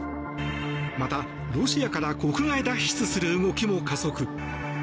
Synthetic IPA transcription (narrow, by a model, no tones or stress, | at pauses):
mat̪a | ɾo̞ɕiakaɾako̞kɯ̟ɡaid̪aɕi̥t͡sɨsɨɾɯ̟ɯɡo̞kʲimo̞kazo̞kɯ̟